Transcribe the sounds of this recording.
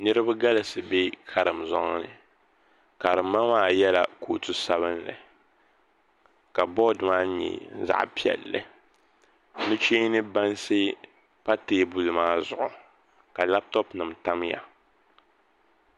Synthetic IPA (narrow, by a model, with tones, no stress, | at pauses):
nɨ˦ɾɨ˦ba˦ɡa˦lɨ˨sɨ˨be˦kʰa˨ɾɨ˨mzɔ˦ŋ˦nɨ˨ | ka˨ɾɨ˨mːa˦maː˦˨jɛ˦la̰˨koː˨tu˦sa˦βɨ˦nlɨ̰˨ | ka˨bɔ˦dmaː˦ɲɛ̰˨˦za̰˨ʔpi˦˨ɛ̰˨lːɨ̰˨ | nɨ˦t͡ʃeː˦nɨ˦ba˦nsɨ˦ | pa˦teː˦bu˨lɨ˨maː˦zʊ˨ʔʊ˨ | ka˨la˦p̚tɔ˦pnɨ˨mta˦mja̰˨